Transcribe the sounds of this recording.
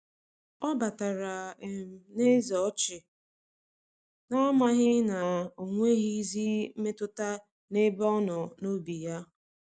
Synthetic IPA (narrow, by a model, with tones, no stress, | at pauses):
ɔ˦ba˨ta˨ɾa˨e˨m̩˨ne˦zɔ˨˦t͡ʃɪ˨ | na˦ma˦ɦɪ˦na˨o˨ŋʷe˦ɣi˦zi˦m̩˦me˦tʊ˦ta˦ | ne˦bɔ˦nɔ˨no˦bi˨ja˦